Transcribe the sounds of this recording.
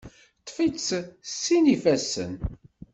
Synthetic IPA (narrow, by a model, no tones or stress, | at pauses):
t̪ːfit͡ssːinifæsːə̰n